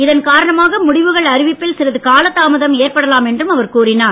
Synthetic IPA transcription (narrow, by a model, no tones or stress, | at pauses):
ɪðɐnkaːɾɐɳɐmaːɣɐmʊɽɪʋɯɣɐɭɐɾɪʋɪpːɪlsɪɾɐðɯkaːlɐt̪ːaːmɐðɐmeːrpɐɽɐlaːmɛndrɯmɐʋɐɾkuːrɪnaː